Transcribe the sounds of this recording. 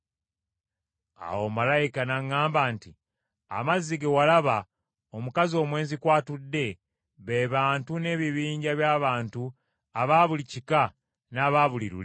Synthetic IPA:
a̰wo̞malajikanaŋːaːmbanti | a̰mazːiɡewalaβa | o̞mukazio̞ːmwe̞ːzikwaːtudːe̞ | βe̞βaːntune̞ːβiβiːɲɟaβjaːβaːntu | aβaβulicika | naβaːβuliɾṵle

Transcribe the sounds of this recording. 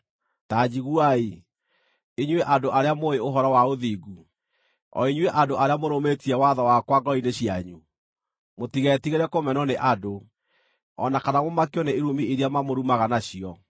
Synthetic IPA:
taːd͡ʑiɣuai | eɲweʔadoʔaɾeamoeoɦɔɾɔwaoðiɡu | ɔ̰iɲweʔadoaɾeamoɾometiɛwaðɔwakwaɡɔineɕiaɲu | motiɣɛtiɣeɾɛkomɛnɔneʔado | ɔ̰nakanamomakeɔneeɾumieɾeamamoɾumaɣanaɕiɔ

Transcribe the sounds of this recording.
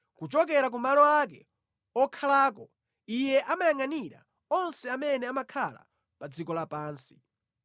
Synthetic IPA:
kut͡ʃɔk̬ɛɾak̬umalɔak̬ɛ̰ | ɔkʰalaːk̬ɔ | ijɛʔamajaŋaniɾa̰ | ɔnsɛamɛnɛamakʰala̰ | pad͡zikɔlapaːnsi̥

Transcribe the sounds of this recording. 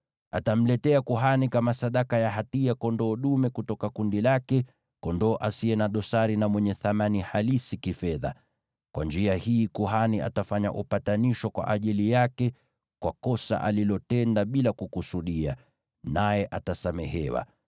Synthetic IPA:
a̰tam̩lɛtɛakuɦanikamasaɗakajaɦatiakɔndɔːɗumɛkutɔkakundilakɛ | kɔndɔːʔasiɛnaɗɔsaɾinamwɛɲɛθamanihalisikifɛða̰ | kwand͡ʒiahiːkuɦania̰tafaɲa̰ʔupataniʃwɔkwa̰ʔaʄilijakɛ | kwakɔsa̰ʔa̰lilɔtɛndaɓilakukusuɗia̰ | najɛʔatasamɛhɛwa̰

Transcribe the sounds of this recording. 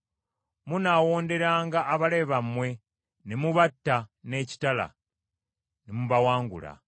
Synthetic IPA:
munawo̞ːnde̞ɾaːŋɡaːβale̞βamwe̞ | nemuβatːane̞ci̥tala̰ | nemuβawaːŋɡṵla̰

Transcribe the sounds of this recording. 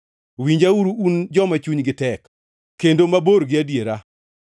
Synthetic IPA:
wiɲd͡ʒauɾuund͡ʒɔmat͡ʃuɲɡɪtɛkː | endomaboɾɡɪadjeɾa

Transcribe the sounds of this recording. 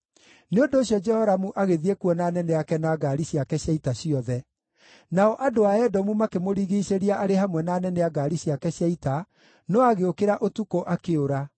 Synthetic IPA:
neondoːɕjɔd͡ʒɛhɔɾamuʔaɣeðiekwɔnaːnɛnɛakɛnaɡaɾiɕiakɛɕjaitaɕiɔðɛ | naɔʔadoaɛdɔmumakemoɾiɣiːseɾiaʔaɾehamwɛnaːnɛnɛaɡaːɾiɕjakɛɕjaita | nɔaɣeokeɾaʔotukoʔakeoɾa

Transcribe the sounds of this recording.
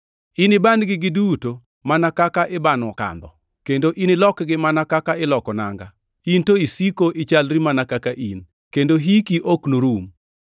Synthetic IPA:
inɪbanɡɪɡɪduto | manakakaʔɪbanwɔka̰nd̪ɔ̰ | kendoʔinɪlɔkɡɪmanakakaɪlɔkɔna̰ŋɡa | intoisikoʔɪt͡ʃalɾimanakakaʔin | kendoɦikiʔoknoɾum

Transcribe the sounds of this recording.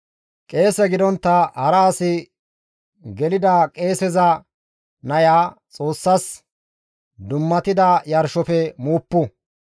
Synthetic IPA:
kʼe̞ːsɛɡɪd̪ɔnt̪ːɐhɐɾɐːsɪ | ɡɛlɪd̪ɐkʼe̞ːsɛzɐ | nɐjaːt͡sʼo̞ːsːɐs | d̪ʊmːɐt̪ɪd̪ɐjɐɾʃɔfɛmuːpːʊ

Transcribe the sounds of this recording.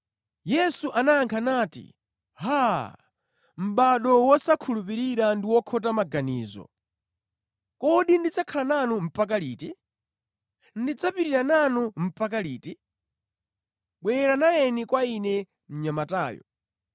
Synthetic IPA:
jɛsuʔanaːŋkʰanaːtḭ | ɦa | m̩ɓaɗɔwɔsakʰulupiɾiɾandiwɔkʰɔtamaɡaniːzɔ̰ | kɔɗindid͡zakʰalananum̩pak̬aliːtɛ | ndid͡zapiɾiɾananum̩pakaliːtɛ | ɓwɛɾanajɛnikwainɛ | m̩ɲamataːjɔ̰

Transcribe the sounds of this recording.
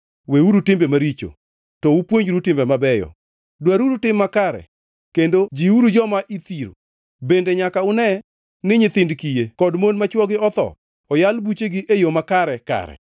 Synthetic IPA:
weuɾutɪmbemaɾit͡ʃo̰ | tɔupwoɲɾutɪmbɛmabɛjɔ̰ | dwaɾuɾutɪmːakaɾɛ̰ | kendod͡ʒiuɾud͡ʒɔmaʔit̪iɾo̰ | bendeɲakaʊnɛ | nɪɲɪt̪ɪndkijekɔdmonmat͡ʃwɔɡɪɔt̪ɔ̰ | ɔjalbut͡ʃeɡɪʔejomakaɾɛka̰ɾɛ̰

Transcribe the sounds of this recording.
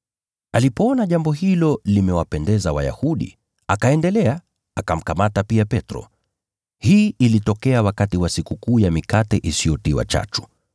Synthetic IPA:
alipɔɔnaʄambɔɦilɔlimɛwapɛndɛzawa̰ja̰huɗḭ | akaɛndɛlɛa | akam̩kamatapiapɛtɾɔ̰ | hiːʔilitɔkɛawakatiwasikukuːjamikatɛʔisijɔtiwa̰t͡ʃa̰t͡ʃu̥

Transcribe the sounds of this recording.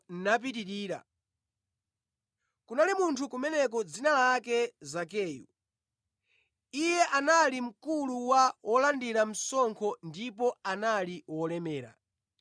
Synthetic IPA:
nnap̬itiɾiːɾa̰ | kunalimuntʰukumɛnɛkɔd͡zinalakɛzak̬ɛːjṵ | ijɛʔanalim̩kuluwawʔɔlandiɾam̩sɔŋkʰɔndipɔanaliwɔlɛmɛːɾa̰

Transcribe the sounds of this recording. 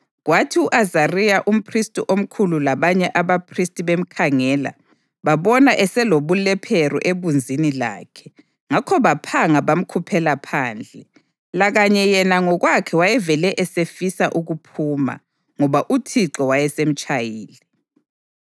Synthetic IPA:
ɣwatʰiuʔazarijaʔum̩pʰristʼiʔom̩kʰululaβaɲɛʔaβapʰristʼiβem̩kʰaŋɛːla̰ | βaβɔnaʔɛsɛloβulɛpʰerṵʔeβund͡zʱinila̰ːkʰɛ̥ | ŋakʰɔβapʰaŋaβam̩kʰupʰɛlapʰaːnd͡ɮʱɛ | laɣaɲɛjɛnaŋɔɣwakʰɛwajɛvɛlɛʔɛsefisaʔuɣupʰuːma̰ | ŋɔβaʔutʰiǁɔwajɛsem̩t͡ʃʼajiːli

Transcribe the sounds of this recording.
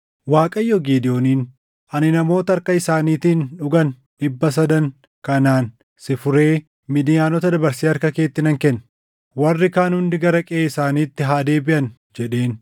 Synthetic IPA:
waːkʼɐjːoɡiːd̪ɪjo̞ːniːn | ʔɐnɪnɐmo̞ːt̪ɐɐɾkɐɪsaːniːt̪iːnᶑʊɡɐn | ᶑɪbːɐs̬ɐd̪ɐŋ | kɐnaːn | sɪfʊɾe̞ː | mɪd̪ɪjaːnɔt̪ɐd̪ɐbɐɾsiːɐɾkɐke̞ːt̪ːɪnɐŋkɛnː | wɐrːɪkaːnhʊnd̪ɪɡɐɾɐkʼɛeːɪsaːniːt̪ːɪɦaːd̪e̞ːbɪʔɐn | d͡ʒɛᶑe̞ːn

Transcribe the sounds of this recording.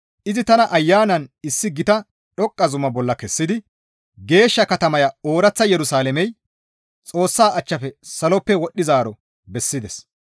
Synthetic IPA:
ʔɪzɪt̪ɐnɐʔɐjːaːnɐnɪsːɪɡɪt̪ɐ | ɗɔkʼːɐzʊmɐbɔlːɐkɛsːɪd̪ɪ | ɡe̞ːʃːɐkɐt̪ɐmɐjɐoːɾɐt͡sːɐjɛɾʊsaːlɛmɛj | t͡sʼo̞ːsːaːʔɐt͡ʃːɐfɛsɐlɔpːɛwɔɗːɪzaːɾɔ | bɛsːɪd̪ɛs

